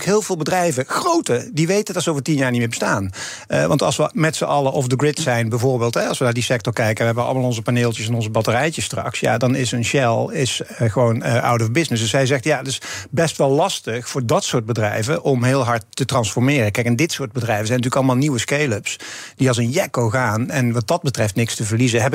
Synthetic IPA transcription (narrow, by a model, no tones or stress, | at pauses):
kɦɪːlˠvɪːlˠbədrɛjvəxrowtədiʋejtəndɑtsəowvəɹtinjaːɹnitmɪːbəstaːn | əʋɑ̰ntɑ̰lˠsʋəmɛtsəʔɑləʔɔfdəɡɹɪtsɛjnbɛjvʊːɹbeɪːlˠtɦɛɑlˠsʋənaːdisɛk̚tɔɹkɛjkəʋəɦɛbənɑ̰lˠəmaːlˠɔnzəpaneːlˠtjəsɛnɔnzəbɑtərɛjtəstrɑ̰ksja̰dɑnɪsənʃɛlˠɪsɣəʋownəʔa̰wtɔvbɪsnɪsdɵsɛjzɛxtjaətɪsbɛstʋɛlˠlɑstəxfʊːɹdɑtsʊːɹt̚bədrɛ̰jvəʔɔmɦɪːlˠɦɑɹtːətrɑnsfɔɹmɪːrəkɛjkɛndɪtsʊːɹt̚bədrɛjvəzɛjntyːləkɑlˠəmaːlˠniwəskejləpsd̥iɑlˠzənjɛkowɣaːnɛnʋɑt̚dɑd̚bətrɛftnɪkstəvəɹlizəɦɛbɪ